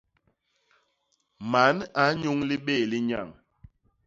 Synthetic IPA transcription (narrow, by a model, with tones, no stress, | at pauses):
ma˨˦na˨˦ɲu˦ŋli˦ɓeː˦˨li˦ɲa˦˨ŋ